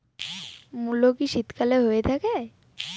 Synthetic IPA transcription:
mulokiʃit̪kʰaleɦojet̪ʰake

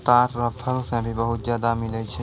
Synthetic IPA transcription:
t̪aːɾːəpʰəlsẽbʱibəɦʊt̪zjaːd̪amɪlət͡ʃʰɛ

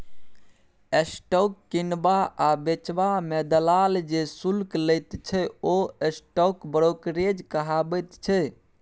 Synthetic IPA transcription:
esʈɔkːinbaabet͡ʃbamed̪əlald͡ʒesulkləjt̪t͡ʃʰɛoesʈokbəɾokɾed͡ʒkəɦabət̪t͡ʃʰɛ

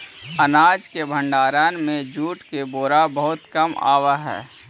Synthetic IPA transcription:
ənaːd͡ʒkebʱə̃ɳɖaːɾaːnmẽd͡ʒuːʈkeboːɾabəɦʊt̪kəma̰ːʋaɦɛ̰ː

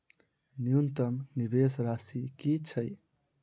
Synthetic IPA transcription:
njunt̪əmnibesɾasikit͡ʃʰəj

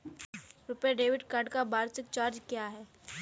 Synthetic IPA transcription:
ɾʊpeɖeːʋɪɖkaɖkabaːɾt͡ʃɪkt͡ʃaːɾd͡ʒkːjaɦɛː

